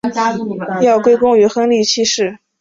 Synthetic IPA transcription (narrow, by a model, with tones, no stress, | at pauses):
jɑ˥˩ʊkwe˥ɪkʊ˥ŋy˧˥xɤ˥ŋli˥˩t͡ɕʰi˥ʂɻ̩˥˩